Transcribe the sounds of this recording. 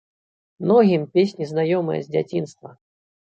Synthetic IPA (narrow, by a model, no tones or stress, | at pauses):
mnɔɣʲimpʲesʲnʲiznajɔmɨjɐ̰zʲd͡zʲat͡sʲinst̪vɐ